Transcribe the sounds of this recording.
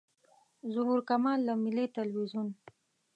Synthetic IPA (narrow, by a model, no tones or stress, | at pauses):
zʊhuɾkamɑlːamɪlit̪alwizun